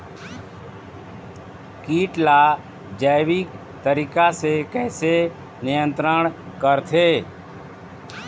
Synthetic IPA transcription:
kiːʈla | d͡ʒəɪʋik | t̪əɾiːkasekɛːse | nɪjə̃nt̪ɾəɽ̃kəɾt̪ʰeː

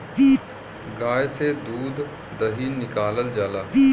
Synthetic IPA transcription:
iː | ɡaːjsed̪uːd̪ | d̪əɦiːnɪkaːləld͡ʒaːlaː

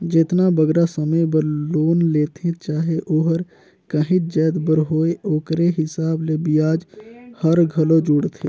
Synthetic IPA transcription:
d͡ʒet̪nabəɡɾasəməjbəloːnleːt̪ʰẽt͡ʃaːɦeʔoːɦəɾ | kəɦit̪̚d͡ʒəːd̪bəɾɦoːeoːkɾeɦɪsaːblebijaːd͡ʒhəɾɡʱəlod͡ʒuɽt̪ʰe

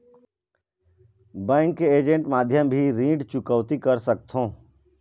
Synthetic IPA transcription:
bɛ̃ːŋkːeeːd͡ʒə̃ɳʈmaːd̪ʱjəmbʱiɾĩːɖt͡ʃʊkəʋt̪ikəɾsək̚t̪ʰɦõː

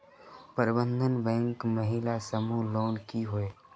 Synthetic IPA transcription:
pəɾɪbə̃nd̪ʱənbɛ̃ːŋkməɦɪlasəmuloːnkiɦʊeː

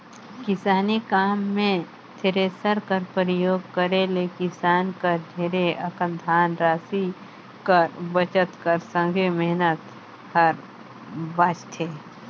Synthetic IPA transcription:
kɪsaːnikaːmːẽ | t̪ʰeɾesəɾkəɾpəɾəjoːɡ̚kəɾelekɪsaːnkəɾd͡ʒʱeːɾeʔɐkə̃nd̪ʱaːnɾaːsi | kəɾbət͡ʃət̪kəɾsə̃ŋɡʱemɛɦnət̪ | həɾ | baːt͡ʃt̪ʰeː

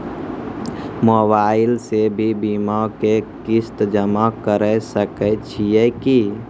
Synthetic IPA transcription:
moːbaːɪlsebʱibimakekɪst̪d͡ʒəmakəɾɛsəkɛt͡ʃʰijɛki

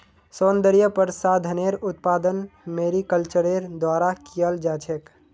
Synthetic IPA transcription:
soːnd̪əɾijəpəɾsaːd̪ʱəneɾʊt̪̚paːd̪ənmeːɾikəlt͡ʃəɾeɾd̪waːɾakijəld͡ʒaːt͡ʃʰek

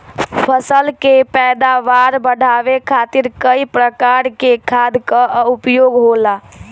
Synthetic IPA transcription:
pʰəsəlkepɛd̪aʋaɾbəɽ̤ʱaʋekʰat̪iɾkəipɾəkaɾkekʰad̪ʱkəupjoɡɦola

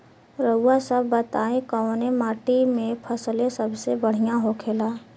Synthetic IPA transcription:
ɾəʊasəbːət̪aːẽkənemaːʈimẽpʰəslesəbsebəɽ̤ijãɦokʰeːlaː

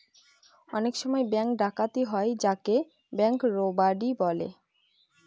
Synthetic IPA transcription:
ɔnekʃɔmɔebɛŋkɖakat̪iɦɔed͡ʑake | bɛŋkɾobaɖibɔlḛ

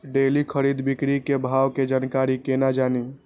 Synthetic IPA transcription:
ɖelikʰəɾid̪bikɾikebʱawked͡ʒankaɾikenad͡ʒani

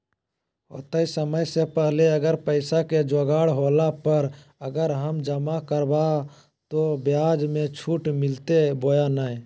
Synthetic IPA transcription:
ɦo̰t̪aisəməjsepəɦleəɡəɾpəɪsaked͡ʒoɡaɽɦolapəɾ | əɡəɾɦəmd͡ʒəmakəɾba | t̪objad͡ʒmẽt͡ʃʰuʈmɪlt̪ebojanaj

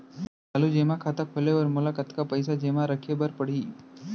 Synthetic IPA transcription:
alud͡ʑemakʰat̪akʰoleʋəɾmolakət̪kapəjsad͡ʑemaɾəkʰebəɾpəɽ̤iː

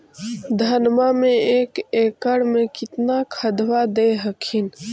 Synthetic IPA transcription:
d̪ʱənmamẽeːkeːkəɽmẽkɪt̪nakʰəd̪wad̪eɦəkʰin

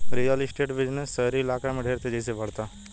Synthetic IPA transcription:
ɾiːjalisʈeːʈbɪd͡ʒnesəɦɾiɪlaːkamẽɖʱeːɾt̪ʰed͡ʒɛsebɐɽ̤t̪aː

